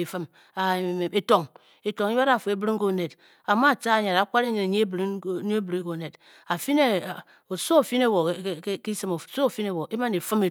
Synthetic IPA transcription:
i˨fɨ˦m | a˨e˨to˨ŋ | e˨to˨ŋ˦ɾa˨fo˨e˨˦bɾi˦ŋ˦ko˦˨ne˨t | a˨ma˦˨t͡ʃa˦a˨ɲa˨ɾa˨˦kʷa˦ɾe˦ɲi˨ne˨ɲe˦e˦bɾi˦ɲe˦bɾi˦ko˨ne˨d | a˨fi˦ne˦˨ | o˨so˦o˨fi˦ne˦wo˨˦ki˦sɨ˦mo˨so˦˨fi˦ne˦˨wo˨ʔe˦ma˦ne˨fɨ˦me˨

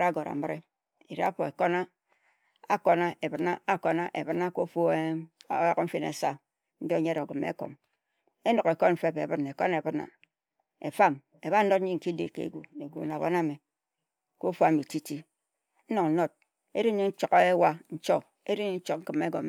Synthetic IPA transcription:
ɾa˦ɡo˨ɾa̰˨m̩˦m˦ɾe˦ | e˨ɾi˦a̰˦fo˨e˨ko˦na˦ | a˦ko˦na˦ʔe˨bɨ˨na˦a˦ko˨na˦ʔe˨bɨ˦na˦ko˦fo˦e˦ja˨km̩˦fi˦˨nḛ˨sa˦ | n̩˦do˦ɲe˦ɾo˨ɡɨ˨mḛ˦ko̰˨m | e˦no˨ke˨ko˦m̩˦fe˦pḛ˨bɨ˦ne˨ko˦ne˨bɨ˦na̰˨ | e˨fa˦˨m | e˨ba˦n˦o˦t̚n̩˦i˦ŋ̩˨ki˦dḛ˨kḛ˨ɡṵ˨ne˨ɡu˨na˨bo̰˦na˦˨me˨ | ko˦fu˦a˦mi˨ti˦ti˦ | n̩˦no˨ŋ̩˦no˦t̚ | e˦ɾi˦ɲi˦n̩˦t͡ʃo˨ke˦wa˦n̩˦t͡ʃo˦ | e˦ɾi˦ɲe˦n̩˦t͡ʃo˦k̚ŋ̩˦kɨ˨me˦ɡo˨m

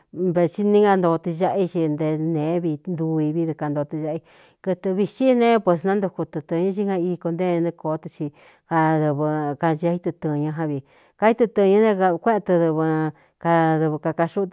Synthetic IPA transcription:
be˧t͡ʃi˦nĩ˦ŋɡa˧nd̪o˧t̪ɨ˧ʒa˦˧ʔi˧t͡ʃi˧nd̪e˧nẽ˨˦βi˧nd̪u˧i˧βi˧ðɨ˧ka˧nd̪o˧t̪ɨ˧ʒa˧ʔi˧ | kɨ˧t̪ɨ˧βi˧t͡ʃi˦nẽ˦pwe˧s̬nã˦nd̪u˧ku˧t̪ɨ˧t̪ɨ̃˧ɲã˦t͡ʃi˦hã˧i˧i˧ko˧nd̪ẽ˦˧nɨ̃˧ko˨˦t̪ɨ˧t͡ʃi˧ | ha˧ðɨ˧βɨ˧ka˧nd͡ʒa˧˦i˧t̪ɨ˧t̪ɨ̃˧ɲã˧ɦã˧βi˧˨ | ka˧i˦t̪ɨ˧t̪ɨ˧ɲã˧˦nẽ˧a˧kʷe˦ʔt̪ɨ˧ðɨ˧βɨ˧ | ka˧ðɨ˧βɨ˧ka˧ka˧ʃu˦˧t̪

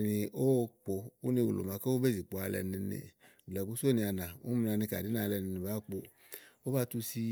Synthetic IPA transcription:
ni˧o˦˧k͡po˧u˦nĩ˧wu˨lo̰˨mã˧ka˦o˦be˦˨zi˨k͡po˨˧a˧lɛ̰˨˧nĩ˧nḭ˧˨ | lɛ˨bu˦so˦nĩ˧a˧nã˨ṵ˦m˧na˧nĩ˧ka̰˨di˨˦na˧˨˧lɛ˧˨ni˧nĩ˧ba˨˦k͡po˧ | o˦ba˦˧tu˧si˧

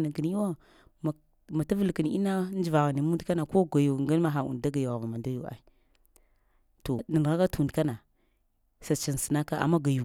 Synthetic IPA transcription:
na˨kə˨n˦i˦wa˦ | m˨ | ma˨ta˦və˦lkə˨n˨˦ḭ˦na˦n˦d͡ʒi˨va˨ɣni˨mu˦n˦dka˦na˨ko˦ɡa˨ju˨ɡa˦ma˦ɦa˨ṵ˨n˨da˦ɡa˨ju˨ɣa˨va˨ma˨da˦ju˨a̰˨i˦ | to˨nə˨n˨ɣa˦ka˦tu˨n˨dka˦na˨ | sa˨t͡ʃi˨n˨sə̥˨na˦ka˦a̰˨ma˦ɡa˨ju˨

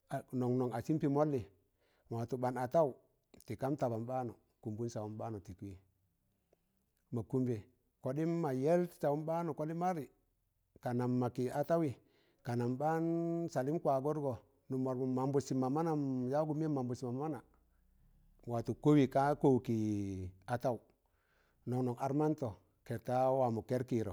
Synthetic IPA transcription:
a˨no˨ŋno˨ŋa˨si˦mpi˨mo˦lːi˨ | ŋwa˨tu˨ɓa˨na˨ta˦u˨ | ti˨ka˦mta˨ba˨mba˦no˨ | ku˨mbu˦nsa˨wu˨˦mba˦nu˨ti˨ki˦ | ma˨ku˦mbe˨ | ko˨di˦mma˨je˦lsa˨wu˦mba˦nu˨ko˦di˦ma˦ɾi˨ | ka˨na˨mːa˨ki˨a˨ta˦wi˨ | ka˨na˨mba˦nsa˨li˦mkwa˨ɡo˦ɾɡo˨ | nu˨mo˨ɾmu˨ma˨mbu˨si˨ma˨ma˦na˨mja˦ɡu˦m˦e˦ma˨mbu˨si˨ma˨m˦ma˦na˨ | wa˨tu˨ko˦wi˨ka˦ko˦˨ki˨a˨ta˦u˨ | no˨ŋno˨ŋa˦ɾma˦nto˨ | ke˨ɾta˦wa˨mu˨ke˦ɾki˨ɾo˨

